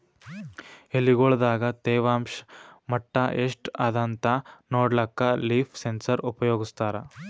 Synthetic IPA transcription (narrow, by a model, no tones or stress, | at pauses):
elːiɡoɭd̪aːɡɐt̪eːʋaːmʂmɐʈːɐʔeːʂʈɐd̪ɐnt̪ɐnoːɽlɐkːɐliːpʰsensɐɾupɐjoːɡist̪aːɾɐ